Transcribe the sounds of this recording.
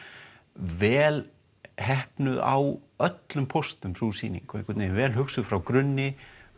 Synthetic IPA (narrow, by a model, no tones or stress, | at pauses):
vɛːl | hɛhpnʏða̰wœt̪lʏmpʰɔst̪ʏmɾusiːnḭŋkekvɛt̪nevɛːlhʏksʏðfɾawkɾʏnːɪ